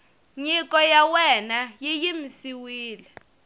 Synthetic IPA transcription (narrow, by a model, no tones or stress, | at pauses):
ɲik̬ɔjawɛnajijimisiwiːlɛ